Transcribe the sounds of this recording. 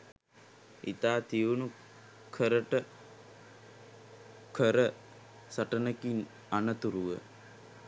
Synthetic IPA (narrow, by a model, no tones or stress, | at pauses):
ḭt̪aːt̪iʋunu | kʰəɾəʈə | kʰəɾə | sɐʈənəkin | anət̪uɾuʋə̰